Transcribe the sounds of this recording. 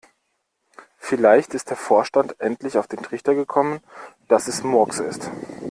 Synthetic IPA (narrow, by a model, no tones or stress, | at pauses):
fɪlaɪçtɪst̚d̥eːɐfoːɐʃtantʔɛntlɪçaʊfd̥eːntʁ̥ɪçtɐɡəkʰɔmənd̥asɛsmɔɐksɪ̰st